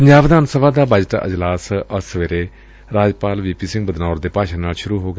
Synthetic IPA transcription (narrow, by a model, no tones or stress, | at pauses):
pəɲd͡ʒaːʋd̪aːnsəbaːd̪aːbəd͡ʒʈə̰d͡ʒlaːsəsəʋeːɾeː | ɾaːd͡ʒpaːlʋiːpiːsɪ̃ŋɡbəd̪naːɾd̪eːpaːʃãːnaːlʃʊɾuːɦoːɡ